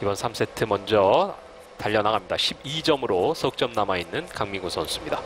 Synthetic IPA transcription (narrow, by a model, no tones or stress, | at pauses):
ibʌnsʰams͈ʰe̞tʰɯmʌnd͡ʑʌ | taʎːʌnaɡamɲidaɕʰibid͡ʑʌmɯɾosʰʌɯk̚t͡ɕ͈ʌmnamainːɯnkaŋmiɡosʰʌs͈ɯmɲida